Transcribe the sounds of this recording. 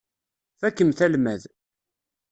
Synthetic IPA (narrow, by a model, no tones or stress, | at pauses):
θækːəmθælmæð